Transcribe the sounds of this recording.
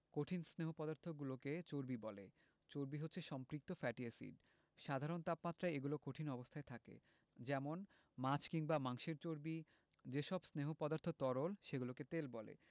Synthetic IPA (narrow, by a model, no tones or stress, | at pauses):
koʈʰinsneɦopɔd̪aɾt̪ʰoɡuloket͡ɕoɾbibɔle | t͡ɕoɾbiɦot̪ːɕʰeʃɔmpɾik̚t̪ofɛʈiesḭɖ | ʃad̪ʱaɾont̪apmat̪ːɾaeeɡulokoʈʰinɔbost̪ʰaet̪ʰakḛ | d͡ʑɛmon | mat͡ɕʰkiŋbamaŋʃeɾt͡ɕoɾbi | d͡ʑeʃɔbsneɦopɔd̪aɾt̪ʰot̪ɔɾolʃeɡuloket̪elbɔlḛ